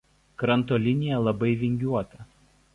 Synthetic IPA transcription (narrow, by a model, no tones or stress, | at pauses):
kɾɐnt̪oːlʲɪnʲɪjɛlˠɐbɐɪʋʲɪŋʲɡʲuɔt̪ɐ